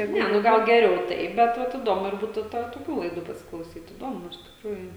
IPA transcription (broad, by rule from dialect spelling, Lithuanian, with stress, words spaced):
ˈnʲɛ nʊ ˈɡɐlˠ ɡʲɛˈrʲɛʊ ˈtɐɪ bʲɛt ˈʋɐt ɪˈdoːmʊ ɪr ˈbuːtʊ ˈtɑː toːˈkʲuː lˠɐɪˈduː pɐsʲɪklˠɐʊˈsʲiːt iːˈdoːmʊ ɪʃ tʲɪkˈruːjʊ